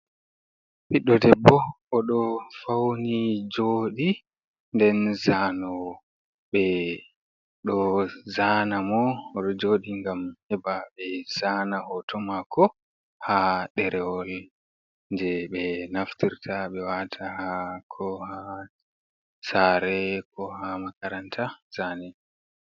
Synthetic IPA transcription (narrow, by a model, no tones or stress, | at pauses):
piɗːɔdɛbːɔʔɔɗɔfawnid͡ʒoːɗi | ndɛnzanɔ | ɓɛ | ɗɔzanamɔːɗɔd͡ʒoɗiŋɡamhɛbaɓɛz̥aːnaʔɔtʰɔmakʰɔ | haɗɛɾʔɛwɔl | nd͡ʒɛɓɛnaftiɾtʰaɓɛwatʰahakʰɔha | saːɾɛkʰɔhamakaɾantʰaz̥aːnɛ